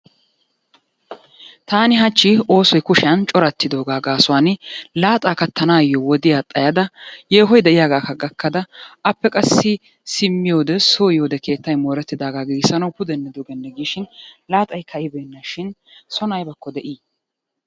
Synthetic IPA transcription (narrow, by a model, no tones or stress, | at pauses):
t̪aːnɪɦɐt͡ʃːɪo̞ːsɔjkʊʃɪjɐnt͡ʃʼɔɾɐt̪ːɪd̪o̞ːɡaːɡaːsʊwaːnɪlaːt̪ʼaːkɐt̪ːɐnaːjɔwɔd̪ɪjaːt̪ʼɐjɐd̪ɐje̞ːɦɔjd̪ɛʔɪjaːɡaːkɐɡɐkːɐd̪ɐɐpːɛkʼɐsːɪ | sɪmːɪjo̞ːd̪ɛsoːjo̞ːd̪ɛke̞ːt̪ːɐjmoːɾɛt̪ːɪd̪aːɡaːɡiɡsɐnɐwpʊd̪ɛnːɛd̪oɡɛnːɛɡiːʃɪnlaːt̪ʼɐjkʰɐjɪbɛnːɐʃɪnsɔnɐjbɐkːɔd̪ɛʔiː